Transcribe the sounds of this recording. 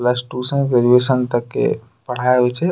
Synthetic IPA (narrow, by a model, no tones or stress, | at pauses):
lasʈusə̃ɡɾed͡ʒuesənt̪əkːḛ | pəɽ̤aɦɛt͡ʃʰɛ